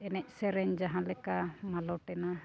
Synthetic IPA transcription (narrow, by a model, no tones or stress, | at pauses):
ɛnɛc̚ˀsɛɾɛɲd͡ʒaɦãlɛkamalɔʈɛna